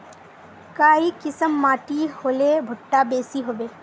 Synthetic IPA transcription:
kaːikɪsəmːaːʈiholebʱʊʈːabeːsiɦobeː

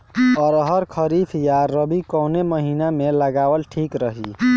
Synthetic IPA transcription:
ɔɾəɦəɾkʰəɾip̪ʰjaɾəbikɔwneməɦinameləɡawəlʈʰikɾəɦi

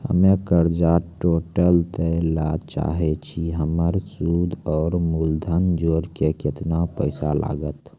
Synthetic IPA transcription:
hə̰mekəɾd͡ʒaʈoʈəlt̪əlat͡ʃa̰ɦet͡ʃʰiɦəməɾsud̪ʱɔːɾmuld̪ʱənd͡ʒoɾkeket̪napəɪsala̰ɡət̪

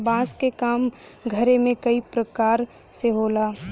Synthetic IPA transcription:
bãːskekaːm | ɡʱəɾemẽkəipɾəkaːɾ | seɦoːlaː

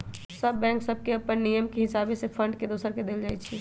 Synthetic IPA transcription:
səbːɛ̃ːŋksəb̚keəpənːijəmkeɦɪsaːbẽsepʰə̃ɳɖked̪oːsəɾked̪eːld͡ʒaːɛt͡ʃʰɛ

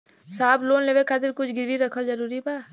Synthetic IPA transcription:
saːbloːnleːʋekʰaːt̪ɪɾkʊt͡ʃʰɡɪɾʋiɾɐkʰəzɐɾuːɾibaː

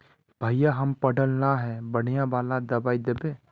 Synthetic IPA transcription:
b̥ʱaːɪjaɦɐmpəɖəlnaɦɛbəɽ̤ijãbaːlad̪ɐbaːid̪ebe

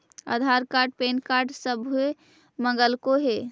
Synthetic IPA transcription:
ə̰d̪ʱaɾkaɾʈ̚penkaɾɖsəbʱue | məŋɡəlkoɦe

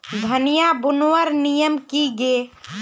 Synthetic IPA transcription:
d̪ʱənijabunʋəɾnijəmkiɡe

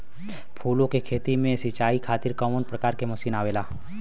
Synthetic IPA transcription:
pʰuːlõkekʰeːt̪imẽsɪt͡ʃaːikʰaːt̪ɪɾkɔːmənpɾəkaːɾkemɐʃiːnaːʋeːlaː

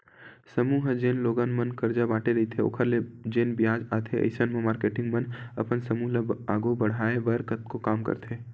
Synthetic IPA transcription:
sɐmuːɦd͡ʒeːnloːɡaːnmɐnkɐɾd͡ʒabaːʈeɾɐɦit̪ʰeo̰ːkʰəɾled͡ʒeːnbɪjaːd͡ʒaːt̪ʰeɐ̰ɪsənmẽmaːɾkeːʈɪ̃ŋɡmɐnɐpənsɐmuːɦləaːɡobɐɽ̤aːebɐɾkət̪̚kokaːmkə̰ɾt̪ʰeː

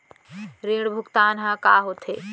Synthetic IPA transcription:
ɾeːɽbʱʊkt̪aːnɦãkaːɦot̪ʰeː

